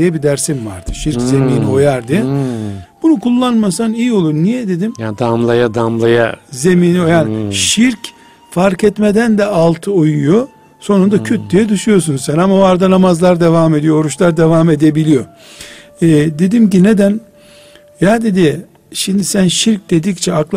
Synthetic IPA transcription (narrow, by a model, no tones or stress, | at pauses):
jɛbid̪æɾsimva̰ɾt̪ʰɯ̥ʃiɾkze̞miːnio̞jaɾd̪ijɛ | b̥unukʰulˠːanmasanijio̞lˠuɾnijɛd̪e̞d̪imjad̪amlˠajad̪amlˠaja̰ze̞miːniojaːniʃiɾc | faɾkɛt̪med̪ænd̪ɛalˠt̪ʰɯojujo̞ | so̞nund̪acʰyt̪̚d̪ijɛd̪ɯʃujo̞s̬unsɛnamaoaɾd̪anamazlˠaɾd̪e̞vaːme̞d̪ijo̞oɾuʃlˠaɾd̪e̞vaːme̞d̪e̞bilʲijo̞ | ɛːd̪e̞d̪imc̬ine̞d̪æn | jaːd̪e̞d̪i | ʃimd̪isænʃiɾc̚d̪e̞d̪ict͡ʃʰɛaklˠ